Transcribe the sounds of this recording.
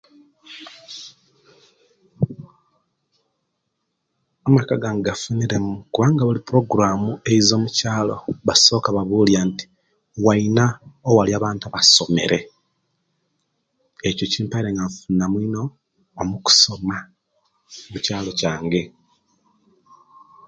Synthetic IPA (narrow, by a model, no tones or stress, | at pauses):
amakaɡaːŋɡɡafuniɾe̞mukuβaːŋɡaβulipuɾo̞ɡɾaːmue̞izo̞ːmucaːlo̞̰βaso̞ːkaβaβuːljanti̥ | wainaowaliaːβaːntaβaso̞me̞̰ɾʔe̞ | ecociːmpaiɾe̞ŋɡaɱfunamwino̞ː | muku̥so̞ma | mucaːlo̞caːŋɡe̞